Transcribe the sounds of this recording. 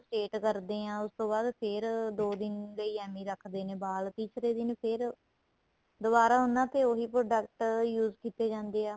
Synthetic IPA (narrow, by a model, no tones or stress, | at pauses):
sʈeːʈkəɾd̪eːãːʊst̪õːbaːd̪pʰɪɾd̪oːd̪ɪnləiːɛːmiːɾəkʰd̪eːnẽːbaːlt̪ɪsɾeːd̪ɪnpʰɪɾ | d̪ʊbaːɾaːʊnːãːt̪eːoːɦiːpɾoːɖəkʈjuːzkiːt̪eːd͡ʒãːnd̪eːaː